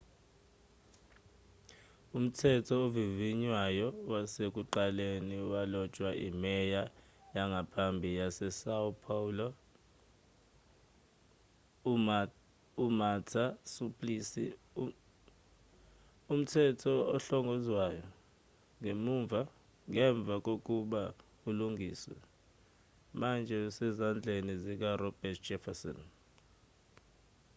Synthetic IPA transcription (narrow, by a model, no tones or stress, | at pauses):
um̩tʰɛtʰɔoviviɲwajɔwasek̬ʼuǃaleniwalɔt͡ʃʼwaʔimɛja | jaŋɡʱapʰambʱijasɛsaupʰaulɔ | umatʰasupʰʼlisi | um̩tʰɛtʰɔɔɬɔŋɡʱɔzwajɔ | ŋemuɱvʱa | ŋɛɱb̪vʱak̬ok̬ʼuɓa | uluŋɡʱiːswɛ̰ | mand͡ʒʱɛusɛzand͡ɮʱenizik̬arɔb̥ɛtʰd͡ʒɛfasɔ̰n